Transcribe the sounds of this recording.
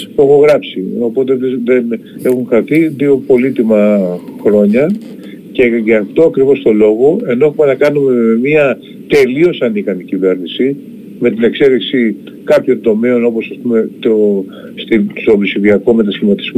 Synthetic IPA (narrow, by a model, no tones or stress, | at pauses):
oxoɣɾɐpsio̞po̞t̪e̞ðeðene̞xuŋxɾɐθiðio̞po̞lit̪imɐxɾo̞ɲɐ | ce̞ʝɐːft̪o̞ɐkɾivo̞st̪o̞lo̞ɣo̞e̞no̞e̞xume̞nɐkɐnume̞miɐ | t̪e̞lio̞sɐnikɐnicive̞ɾnisi | me̞t̪ine̞kse̞ðiksi | kɐpço̞nd̪o̞me̞o̞no̞po̞sɐspume̞t̪o | st̪i̥sovisiðiɐkome̞t̪ɐsçimɐt̪i̥zm